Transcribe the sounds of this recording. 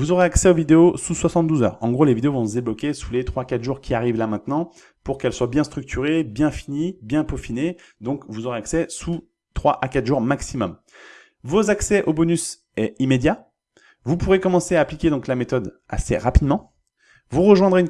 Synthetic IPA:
vuzoʁeaksɛovid̪eosuswasɑ̃t̪̚d̪uzœ̰ʁɑ̃ɡʁolevid̪eovɔ̃zd̪eblɔkʲesulet̪χwakat̪ʒuʁkʲʰiaʁivlamɛ̃t̪nɑ̃ | puʁkɛlswabjɛ̃st̪χyk̚t̪ʰyʁebjɛ̃finibjɛ̃pofine | d̪ɔ̃kvuzoʁeaksɛsu | t̪χwaʔakat̪ʒuʁmaksimɔm | vozaksɛʔobɔnys | ɛimed̪ja | vupuʁekɔmɑ̃seaːplikʲed̪ɔ̃klamet̪ɔd̪ | a̰sḛʁapid̪mɑ̃ | vuʁəʒwɛ̃d̪ʁeyn

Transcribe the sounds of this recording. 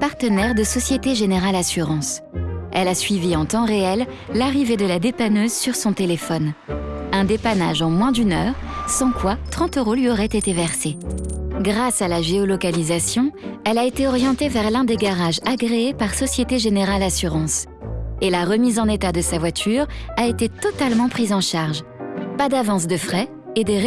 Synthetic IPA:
paʁt̪ənɛʁd̪əsɔsjet̪eʒeneʁalasyʁɑ̃sɛlasɥiviɑ̃t̪ɑ̃ʁeɛlː | aʁived̪əlad̪epanøzsyʁsɔ̃t̪elefɔnɛ̃d̪epanaʒɑ̃mwɛ̃d̪ynœːʁsɑ̃kwat̪χɑ̃t̪øʁolɥiɔʁɛt̪et̪evɛʁse | ɡʁasalaʒeɔlɔkalizasjɔ̃ɛlaet̪eɔʁjɑ̃t̪evɛʁlɛ̃d̪eɡaʁaʒaɡʁeːpaʁsɔsjet̪eʒeneʁalasyʁɑ̃s | elaʁəmizɑ̃net̪ad̪əsavwat̪ʰyʁaet̪et̪ɔt̪almɑ̃pχizɑ̃ʃaʁʒ | pad̪avɑ̃s̬d̪əfχɛ | ed̪ə

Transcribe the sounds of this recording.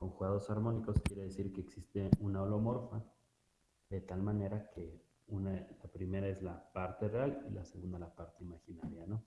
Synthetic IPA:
ko̞ŋxuɣaðo̞saɾmo̞niko̞skje̞ɾe̞ðesiɾke̞ːksist̪e̞unaolo̞mo̞ɾfa | ðe̞t̪almãne̞ɾake̞ | unalapɾime̞ɾae̞zlapaɾt̪e̞realila̰se̞ɣũnd̪alapaɾt̪e̞imaxinaɾjano̞

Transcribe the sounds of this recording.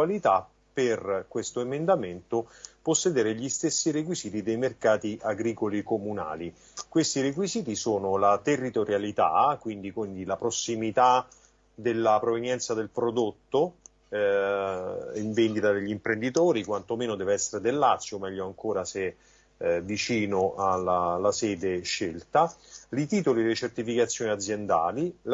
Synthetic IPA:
alit̪a | pːerkwest̪oemend̪ament̪opɔsːed̪eːɾeʎist̪esːiɾek̬wiziːt̪id̪ejmerkaːt̪iʔaɡɾiːkolikomuna̰ːli | kwest̪iɾek̬wiziːt̪isoːnolat̪erːit̪oɾjalit̪a̰kwind̪ikwind̪ilapɾosːimit̪a | d̪elːapɾovenjɛnt̪sad̪elpɾod̪ot̪ːo | iɱvend̪it̪ad̪eʎːimpɾend̪it̪oːɾikwant̪omeːnod̪ɛːveɛsːeɾed̪elːat̪sːjomɛʎːoaŋkoːɾase | vit͡ʃiːnoʔalalːasɛːd̪eʃːelt̪alit̪iːt̪olilet͡ʃert̪ifikat̪sːjoːniad̪zːjɛnd̪a̰ːlil

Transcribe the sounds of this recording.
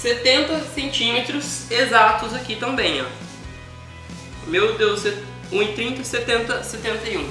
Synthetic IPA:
set̪ẽnt̪ɐsẽnt͡ʃĩmet̪ɾʊzezat̪ʊzakit̪ɐ̃mbẽj̃ã̰ | mewd̪ewse | ũɪt̪ɾĩnt̪ɐset̪ẽnt̪ɐset̪ẽnt̪ɐiũ

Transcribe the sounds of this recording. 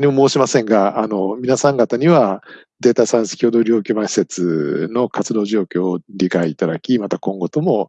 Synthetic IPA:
ɲʲimomo̞ːɕimasẽ̞ŋɡaːno̞mʲinasãŋɡat̪aɲ̟iβa | d̪e̞ːt̪asãɰ̃se̥kʲoːd̪o̞ɾʲo̞ːkʲoːmãɕi̥se̞t͡sɨno̞kat͡sɨd̪o̞ːʑo̞ːkʲo̞ːɾʲikaiːt̪ad̪akʲimat̪akõ̞ŋɡo̞t̪o̞mo̞

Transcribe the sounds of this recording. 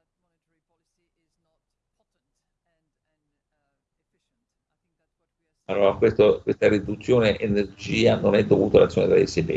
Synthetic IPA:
alːoːɾakwest̪okwest̪arid̪ut̪sːjoːneʔenerd͡ʒiːanonɛd̪ːovuːt̪ala̰t̪sjoːned̪ɾa̰ḛsilḛ

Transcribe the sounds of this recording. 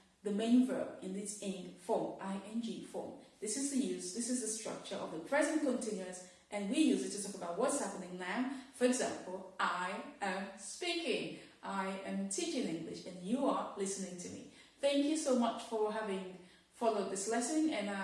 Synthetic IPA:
ðɨmẽɪ̃nvɜ̰ɨ̃nðɪsɪ̃ŋfɔʔaɪʔɛ̃nd͡ʒifɔ̰̃mðɪsɨzðɨjʉzðɪsɨzðɨstɹ̥ʌ̰k̚t͡ʃə˞ʔʌ̰vðəpʰɹ̥ɛzɨ̃nkʰɨ̃ntʰɪ̃njʉɨ̃ns | ʔɨ̃nwijʉzɨtʰːɨtʰɔkəbaʊt̚wʌtshæpənɪ̃ŋnafə˞ɨɡzæ̃mpl̩ˠʔaɪʔɨ̃mspikɪ̃ŋʔaɪʔɨ̃mtʰit͡ʃɪ̃nɪ̃ŋɡlɪ̰ʃɨ̃njɨəlɪsɨnɪ̃ŋtʰɨmḭ | θæ̃ŋkjɨsoʊmʌt͡ʃfə˞ɦævɪ̃ŋ | fɑlˠoʊd̪̚ðɪslɛsɨ̃nɨ̃na

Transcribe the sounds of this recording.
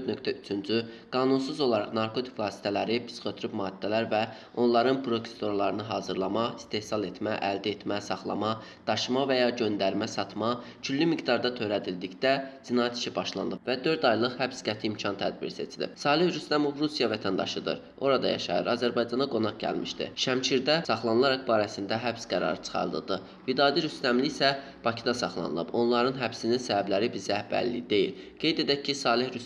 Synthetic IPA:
ɾnø̞kt̪ʰæyt͡ʃʰynd͡ʒyɡ̥ɑːnuns̬uzo̞lˠɑɾɑʁnɑɾkʰo̞t̪ʰi̥kvˠɑːsi̥t̪ʰælæɾipʰi̥sχøt̪ʰyɾybmɑːd̪̥ːælæɾvæ | o̞nlˠɑɾɯnpʰɾo̞kʰe̥st̪oɾlˠɑɾɯnɯɦɑːzɯɾlˠɑmɑist̪e̞hsɑlˠe̞t̪ʰmæʔæld̪æet̪mæsɑχlˠɑ̰mɑ | d̪̥ɑʃmɑvæjɑɟø̞nd̪æɾmæsɑt̪ʰmɑ | t͡ʃʰylːymiɡd̪ɑɾd̪ɑt̪ʰøɾæd̪ild̪icd̪æd͡ʒinɑːjæt̪ʰi̥ʃibɑʃlˠɑ̰nd̪ɯbvæd̪ø̞ɾd̪ɑjlˠɯχhæbsɡæt̪ʰiːmcʰɑnt̪ʰæ̰d̪̚bḭɾise̞t͡ʃʰilḭb̚sɑːlihɾyst̪æmo̞vɾusijɑvæt̪ʰænd̪ɑ̰ʃɯd̪ɯ̰ɾ | o̞ɾɑd̪ɑ̰jɑ̰ʃɑ̰jɯ̰ɾɑzæɾbɑjd͡ʒɑnɑɡo̞nɑχɟæ̰lmiʃt̪ḭʃæmt͡ʃʰiɾd̪æsɑχlˠɑnɯlˠɑɾɑk̚bɑːɾæsind̪æɦæpsɡæɾɑ̰ɾɯt͡ʃʰɯ̥χɑ̰ɾd̪ɯd̪ɯ | vid̪ɑːd̪iɾyst̪æmlisæ | b̥ɑcʰid̪ɑsɑχlˠɑ̰nɯlˠɯ̰bo̞nlˠɑɾɯnɦæbsininsæbæblæɾibizæhbæ̰ɾlid̪e̞jḭl | ɡ̥e̞jd̪e̞d̪æːisɑːlˠihɾys

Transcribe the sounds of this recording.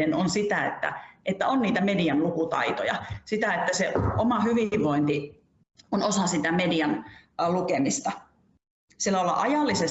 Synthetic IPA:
enonsit̪æḛt̪ːæ̰ʔet̪ːæonniːt̪æmediɑnlukut̪ɑ̰it̪ojɑ̰sit̪æet̪ːæseomɑhyʋiʋʋoint̪i | onosɑsit̪æmediɑnlukemist̪ɑ | sielːæolːɑ̰ʔɑjɑlːises

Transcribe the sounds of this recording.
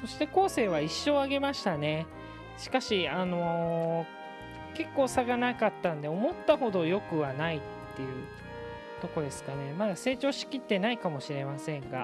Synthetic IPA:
so̞ɕi̥t̪e̞ko̞ːse̞ːβaiɕːo̞ːaɡe̞maɕi̥t̪ane̞ | ɕi̥kaɕiano̞ | ke̞kːo̞ːsaɡanakat̪ːãnd̪e̞o̞mo̞t̪ːaho̞d̪o̞jo̞kɯ̟βanait̪ːe̞jɯ̟ | t̪o̞ko̞d̪e̞sɨ̥kane̞mad̪ase̞ːt͡ɕo̞ːɕi̥kʲit̪ːe̞naikamo̞ɕiɾe̞masẽ̞ŋɡa̰

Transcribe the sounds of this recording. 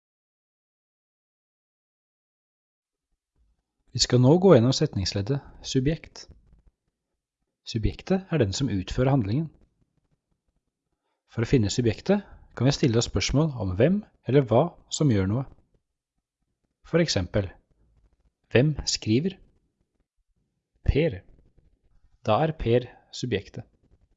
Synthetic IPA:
ʋiːskɑnoːɡoːɛnːɔmsɛt̪nɪŋsleːd̪əsʉbjɛkt̪ | sʉbjɛkt̪əæɖɛnsɔmʔʉːt̪føːɾəhɑnd̪lɪŋən | fɔɾoːfɪnːəsʉbjɛkt̪əkʰɑnʋɪst̪ɪlːəɔspœʂmoːlɔ̰mʋɛm | ɛlːəɾʋɑːsɔmjøːɳuːə | fɔɾɛksɛmpəl | ʋɛmskɾiːʋəɾ | pʰeːɾ | d̪̥ɑːæɾpʰeːɾ | sʉbjɛkt̪ʰə

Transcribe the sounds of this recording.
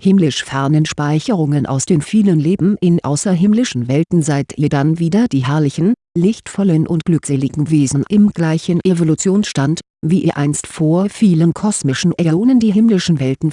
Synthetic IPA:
hɪmlɪʃfɛɐnənʃpaɪçəʁ̞ʊŋənʔa̰ʊsd̥eːmfiːlənleːbm̩ʔɪnʔa̰ʊsɐɦɪmlɪʃn̩vɛltn̩zaɪtʰiːdanviːdɐdiːɦɛɐlɪçn̩lɪçtfɔlənʔʊntɡ̥lʏkz̥eːlɪɡŋ̩veːzn̩ʔɪmɡ̥laɪçən̩ʔevolut͡sjoːnsʃtant | viːʔɪʔaɪnstfoːɐfiːlənkʰɔsmɪʃn̩ʔɛoːnəndiːɦɪmlɪʃn̩vɛltn̩

